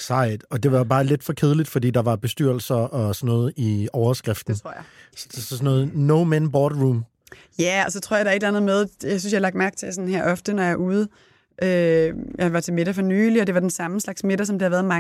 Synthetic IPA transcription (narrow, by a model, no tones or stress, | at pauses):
sɑ̈ɪ̰d̥ɒ̽d̥e̝ʋɑ̈bɑ̈ːle̝d̥fɒ̽kʰeð̞ˠlid̥fɒd̥ḭːd̥ɑ̈ʋɑ̈b̥e̝sd̥yɐ̰l̩sɐɒ̽sɒnːɔ̽ːð̩ˠiɒʊɐsɡ̥ʁafd̥n̩ʰoɐ̰jssɔnːɔ̽ːð̩ˠnoʊmænb̥ɒːd̥ʁum | jæɒ̽sɒ̽t͡sʰʁo̰ɐ̰jadɑɐe̝d̥lænð̩ˠmeð̞ˠjäɪs̬ynsjɑlɑ̈ɡ̥̚d̥mæɐɡ̥̚t͡sʰe̝sɒ̽n̩heɐ̰ɒ̽fd̥ənɒjɑ̈ʔuːðˠə | ʔøjɑ̈ɪʋɑ̈t͡sʰe̝me̝ɾ̥ɐfɒ̽nyːliɒd̥e̝ʋɑ̈d̥ensɑ̈məslɑ̈ɡ̥sme̝d̥ɐs̬ɒ̽md̥ihæʋæɐð̩ˠmɑ